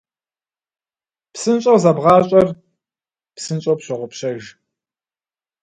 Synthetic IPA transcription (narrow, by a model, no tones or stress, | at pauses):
psɨnɕʼowzɐbʁɑːɕʼɐr | psɨnt͡ʃʼowpɕɪʁʷʊpɕɐʒ